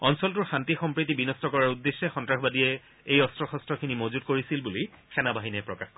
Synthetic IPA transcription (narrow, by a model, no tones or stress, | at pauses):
ɔnsɔltʊɹxantixɔmpɹit̬ibinɔstɔkɔɹaɹudːesːɛxɔntɹaxbadiɛ | ejɔstɹɔxɔstɹɔkʰinimozutkoɹisilbuli | kʰɛnabaɦinɛpɹɔkaxkɔ